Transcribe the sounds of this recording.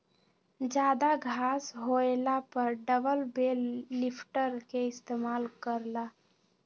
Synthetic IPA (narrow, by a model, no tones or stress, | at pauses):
d͡ʒaːd̪aɡʱaːsɦoelapəɾɖəbəlbelːipʰʈəɾkeɪst̪eːmaːlkəɾla